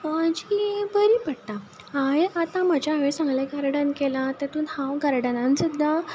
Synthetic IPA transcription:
ad͡ʑibəɾiːpəɽt̪a | ɦajat̪ãm̤əd͡ʑaaʋesãŋɡleɡəɾɽənkelãt̪əɾt̪uːnhãwɡəɾɽənãnsəd̪ʱːa

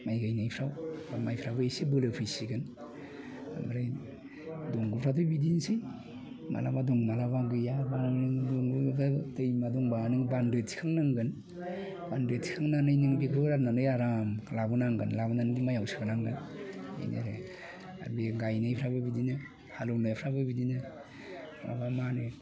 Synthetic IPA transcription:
majɡajnajpʰɾawamajpʰɾabaejsebɯlɯpʰɯjsiɡɯn | a̰baɾaj | dɔŋɡɯpʰɾatɯbidinsi | ma̰labadɔŋmalabaɡɯjabannɯŋdɔŋɡbatɯjmadɔŋbanɯŋbandɯtʰi̥kʰaŋnaŋɡɯn | b̥andetʰkʰaŋnanɯjniŋbikʰɯɾananɯjaɾamlabɯnaŋɡɯnlabunanɯdimajawsi̥kʰanaŋɡɯnḛjnḛɾḛ | a̰ɾbiɡajnɯjpʰɾabɯbidinɯ | haluwnɯjpʰɾabɯbidinɯ | pʰla̰bamanɯ

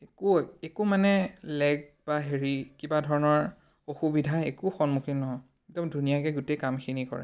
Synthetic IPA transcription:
ekuekʊmanɛlɛɡ̚b̥aɦeɹikibadʱɔɹɔnɔɹ | oxubidʱaekuxɔnmukʰinɔɦɔ | dɔmdʱunijakɛɡutejkamxinikɔ̰ɹɛ̰

